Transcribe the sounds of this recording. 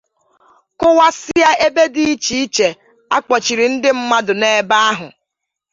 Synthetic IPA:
kʊ˦wa˦sɪ˦ja˦ʔe˦be˦di˦i˦t͡ʃi˨i˦t͡ʃe˨ | a˦k͡pɔ˨t͡ʃi˨ɾi˨n̩˦dɪ˦m̩˦ma˦dʊ˨ne˦ba˦a˦ɦʊ̰˨

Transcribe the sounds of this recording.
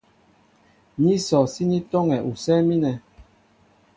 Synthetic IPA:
ɲi˦sɔ˨si˦ni˦tɔ˦ŋɛ˨ʔu˨sɛː˦mi˦nɛ˨

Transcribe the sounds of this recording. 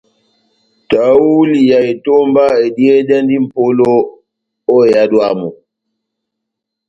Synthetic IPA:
ta˨˦wu˦li˨ja˨e˨to˦mba˦e˨di˦ɛ˦da˦ndi˦m̩˨po˦lo˦ | ɔ˦˨ja˦dwa˦˨mu˨

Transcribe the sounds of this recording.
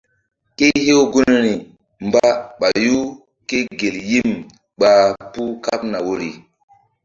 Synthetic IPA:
ke˦he˦o˦ɡu˦n˦ɾi˨ | mba˦ɓa˨ju˦ | ke˦ɡe˨lji˦m | ɓa˨pu˦ka˦pna˨wo˦ɾi˨

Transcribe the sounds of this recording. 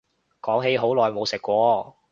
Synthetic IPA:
kɔː˨˥ŋɦe˨˧˥jɦo˨˥wlɔː˨jmo˨˧wsɪ˨kːʷɔː˨˧

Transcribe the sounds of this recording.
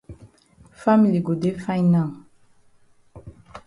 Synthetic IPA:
fa˦mili˨ɡo˨d̪e˦fã˦jnã˨

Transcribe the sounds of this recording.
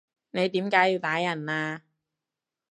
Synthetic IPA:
ne˨˧jt̪iː˨˥mkaː˨˥jiː˧wt̪aː˨˥jɐ˨˩naː˧

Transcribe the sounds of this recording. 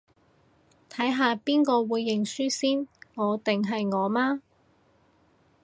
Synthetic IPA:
t̪ʰɐ˨˥jɦaː˨˧piː˥nkɔː˧wuː˨˧jːɪ˨ŋsyː˥siː˥nŋɔː˨˧t̪ɪ˨ŋɦɐ˨jŋɔː˨˧maː˥

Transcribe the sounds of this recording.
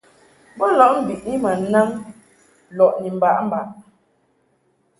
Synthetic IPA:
bɔ˦lɔ˦˨ʔm̩˨bi˨ʔni˦ma˨na˦ŋ | lɔ˨ʔni˨m̩˨ba˨ʔm̩˨ba˨ʔ

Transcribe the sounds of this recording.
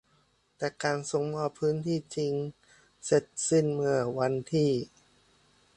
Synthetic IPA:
t̪ɛː˨˩kaː˧nso˨˩ŋmɔː˧˩pʰɯː˦˥nt̪ʰiː˥˩t͡ɕi˧ŋ | se˨˩t̪̚si˥˩nmɯ˧˩əwa˧nt̪ʰiː˥˩

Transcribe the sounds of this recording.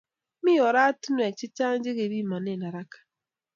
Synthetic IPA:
mi˦ɔ˨ɾa˦tu˦nwe˨t͡ʃɪ˦t͡ʃa˦n˦d͡ʒɪ˦ɣe˨ɾi˦ma˨ne˦˨na˨ɾa˦kḁ˨

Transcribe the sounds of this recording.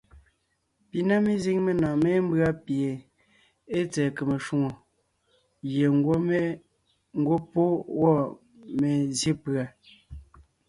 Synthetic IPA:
pi˨na˦mi˦zi˦ŋme˨nɔ̃ː˨me˦m̩˦bɰa˦pje˨ | e˦t͡sɛː˨ke˨me˨ʃu˦ŋo˨ | ɣje˨˦ | ŋ̩˦ɡwo˦po˦wɔ˦˨ | me˨zje˦pɰa˨

